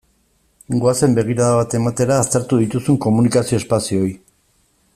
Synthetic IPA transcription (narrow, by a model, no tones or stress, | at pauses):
ɡoase̞mbe̞ɣ̞iɾaðaβat̪e̞mat̪e̞ɾaːst̪e̞ɾt̪uðit̪usuŋko̞munikasio̞espasioj